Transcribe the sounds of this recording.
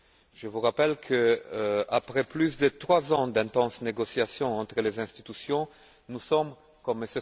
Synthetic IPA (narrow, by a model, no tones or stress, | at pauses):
ʒ̥əvuʁapɛlkʰə | apʁɛplysd̪ət̪χwazɑ̃d̪ɛ̃t̪ɑ̃sneɡosjasjɔ̃ɑ̃t̪ʁəlezɛ̃st̪it̪ysjɔ̃ | nusɔm | kɔməsə